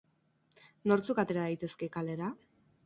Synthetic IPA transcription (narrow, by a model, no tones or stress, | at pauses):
no̞ɾt͡sukat̪e̞ɾaðajt̪e̞ske̞kale̞ɾa